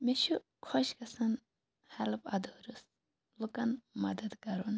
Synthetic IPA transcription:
meʃu | kʰoʃkɐsɐn | hɐlpɐ̰d̪oːɾus | lukɐnmɐd̪ɐd̪kɐɾon

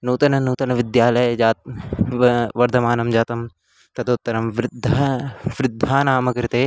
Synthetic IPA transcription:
nuːt̪ɐnɐnuːt̪ɐnɐʋɪd̪jaːlɐjɐd͡ʒaːt̪ | ʋɐɾd̪ʱɐmaːnɐmd͡ʒaːt̪ɐm | t̪ɐt̪ʰɐut̪ːɐɾɐmʋɾɪd̪ʱːɐʋɾɪd̪ʱːaːnaːmɐkɐɾɪt̪eː

